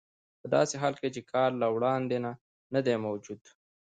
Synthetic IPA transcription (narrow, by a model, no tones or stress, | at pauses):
pəd̪ɑ̰seɦɑːlket͡ʃekʰɑɾlawɽɑnd̪ena | nad̪emawd͡ʒud̪